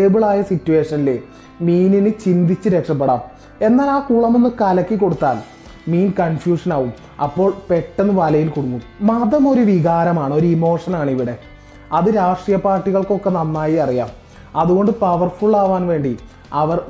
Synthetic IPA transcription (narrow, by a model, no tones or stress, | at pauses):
eːbɨɭaːjɐsitːuʋe̞ːʂɐnile | miːninɨt͡ɕind̪it͡ɕːɨɾe̞kʂɐp̬ːeɽa̰ːm | e̞nːaːlaːkuːɭɐmo̞nːɨkɐlɐkːikːo̞ɽut̪ːa̰ːl | miːnkɐnfjuːʂɐnaːʋum | ɐ̰pːo̞ːɭpe̞ʈːe̞nːɨʋɐlɐjilkoɽukːummɐðɐmo̞ɾuʋiɣaːɾɐmaːɳɨo̞ɾuimo̞ːʂɐnaːɳiʋiɽe̞ | ɐðɨɾaːʂʈrijɐpaːrʈːiɣɐɭko̞kːenɐnːaːjiɐrija̰ːm | ɐðuɣo̞ɳɖɨpɐʋɐrfuɭaːʋaːnʋe̞ːɳɖi | ɐʋɐr